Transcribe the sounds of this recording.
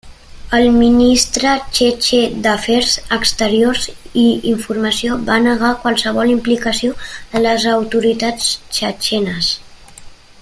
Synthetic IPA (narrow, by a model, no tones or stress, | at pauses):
əlˠminist̪ɾət͡ʃet͡ʃed̪əfɛɾzəkst̪əɾiorziiɱfurməsiobanəɣ̞akwalˠsəβ̞ɔlimplikəsioðələzəwt̪uɾit̪at͡st͡ʃət͡ʃɛnəs